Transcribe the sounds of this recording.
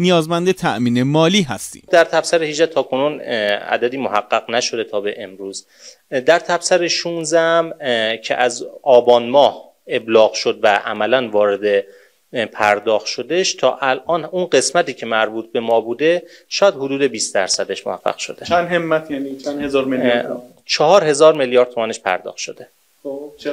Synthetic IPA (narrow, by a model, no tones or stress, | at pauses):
nijɒːzmænd̪et̪ʰæʔmiːnemɒːliːɦæst̪ḭːd̪æɾt̪ʰæb̥sæɾehiːd͡ʒæt̪ʰɒːkʰo̞nuːnæ̰d̪æd̪iːmoɦæɢːæɣnæʃo̞d̪e̞t̪ʰɒːbe̞ʔemɾuːz | d̪æɾt̪ʰæbsæɾeʃunzæmcʰe̞̰ʔæzɒːbɒːnmɒːh | e̞blɒːɣʃod̪̚væʔæ̰mælænvɒːɾe̞d̪e̞ | pʰæɾd̪ɒːxt̪ʃo̞d̪eʃt̪ʰɒ̰ːʔælʔɒːnunɢe̞smæt̪iːcʰe̞mæɾbuːt̪̚ʰbe̞mɒːbuːd̪e̞ʃɒːjæd̪hod̪uːd̪e̞biːsd̪æɾsæd̪e̞ʃmo̰hæɢːæ̰ɣʃo̞̰d̪̥end̪hemːæt̪ʰjænit͡ʃʰænd̪hezɒːɾmel | t͡ʃʰeɦɒːɾhe̞zɒːɾmeljɒːɾd̪t̪ʰomæne̞ʃpʰæ̰ɾd̪ɒ̰ːxt̪ʃo̞d̪e̞